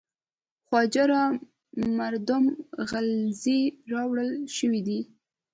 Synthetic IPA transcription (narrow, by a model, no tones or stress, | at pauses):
xwɑd͡ʒaɾɑ | maɾd̪ʊmɣalziɾɑwɽəlʃəwid̪i